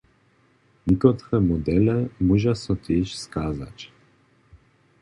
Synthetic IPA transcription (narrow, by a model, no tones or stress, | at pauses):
ɲikɔt̪ɾɛmɔd̪ɛlɛmuʒasɔt̪ʲeʃskaːza̰t͡ɕ